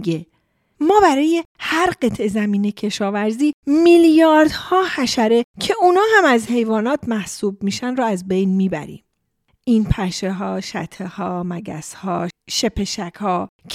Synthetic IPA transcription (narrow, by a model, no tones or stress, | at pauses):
ɡe | mɒːbæɾɒːje̞hæɾɢe̞t̪ʰʔe̞zæmiːne̞cʰe̞ʃɒːvæɾziːmiljɒːɾd̪hɒːhæʃæɾe̞cʰe̞unɒːɦæmæzhe̞jvɒːnɒːt̪ʰmæhsuːb̚miːʃænɾɔæzbejnmiːbæ̰ɾḭːm | ʔiːnpʰæʃeɦɒːʃæt̪ʰehɒːmæɡæ̰shɒːʃe̞pʰe̞ʃækʰhɒːcʰ